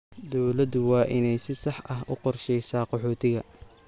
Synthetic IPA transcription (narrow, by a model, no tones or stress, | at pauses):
d̪ɔwlɐd̪ʊwɑːʔɪnɛjsɪsɑħʔɐɦʔʊqɔrʃɛjsaːqɔħɔːt̪ʰɪɣɐ